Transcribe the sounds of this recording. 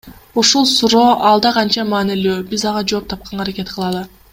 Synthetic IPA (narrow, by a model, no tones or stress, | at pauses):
uʃulˠsuɾo̞ːʔɑlˠd̪ɑqɑnt͡ʃɑmɑːnilyːbizɑʁɑd͡ʒo̞ːp̚t̪ʰɑp̚qɑnɑɾakʲe̞t̪qʰɯlˠɑlˠɯ